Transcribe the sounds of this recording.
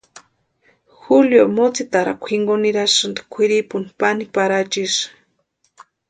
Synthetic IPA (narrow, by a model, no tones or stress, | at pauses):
xuljomot͡sit̪aɾa̰kʷʰiŋɡoniɾaʃɨnd̪i̥kʷʰiɾipuni̥panipaɾat͡ʃiʃ